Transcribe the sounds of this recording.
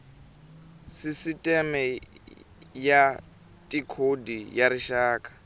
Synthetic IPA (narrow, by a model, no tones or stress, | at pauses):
sisitʼɛmɛ | ja | tʼikʰodijaɾiʃaːkʼḁ